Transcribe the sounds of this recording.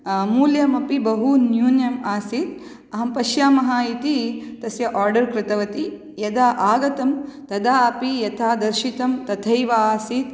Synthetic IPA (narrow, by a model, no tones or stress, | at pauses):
muːljɐmɐpibɐɦunjuːnjɐmaːsit̪ | ɐɦɐmpɐʃjaːmɐɦaːit̪it̪ɐsjɐʔaːɾɖɐɾkɾɪt̪ɐʋɐt̪i | jɐd̪aːʔaːɡɐt̪ɐmt̪ɐd̪aːɐpijɐt̪ʰaːd̪ɐɾʃit̪ɐmt̪ɐt̪ʰɐjʋaːsiːt̪